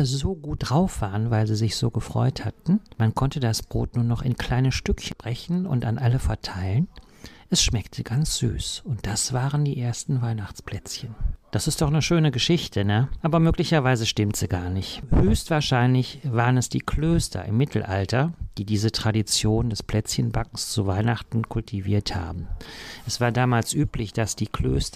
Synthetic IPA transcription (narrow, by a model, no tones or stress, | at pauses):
zoːɡuːt̚d̥ʁaʊfv̥aːʁənvaɪlziːzɪçz̥oːɡəfʁ̥ɔ̰ʏthatn̩mankʰɔntədasb̥ʁoːtnuːɐnɔχɪnkʰl̥aɪnəʃtʏkçb̥ʁ̥ɛçn̩ʊ̰ntanʔaləfɛɐtʰaɪlən | ʔɛsʃmɛktʰəɡant͡sz̥y̰ːsʊnt̚d̥asv̥aːʁəndiːʔeːɐstn̩vaɪnaχt͡spl̥ɛt͡sçənd̥asɪst̚d̥ɔχnəʃøːnəɡəʃɪçtʰənəʔaːbɐmøːklɪçɐvaɪzəʃtɪmtz̥iːɡaːɐnɪçthøːçstv̥aːɐʃaɪnlɪçv̥aːʁənɛsd̥iːkʰløːstʰɐ̰ʔɪ̰mːɪtʰl̩ʔa̰ltɐd̥iːdiːzətʁ̥adit͡sjoːndɛspl̥ɛt͡sçənbakŋ̩st͡suvaɪnaχtn̩kʰʊltʰiviːɐtha̰ːbm̩ʔɛsv̥aːɐdaːmaːlsʔyːplɪçd̥asd̥iːkʰl̥ø̰ːstɐ